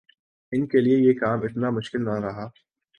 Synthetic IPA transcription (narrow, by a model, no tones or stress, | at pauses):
ɪnkeliejekaːmɪt̪namʊʃkɪlnɐɾɐɦaː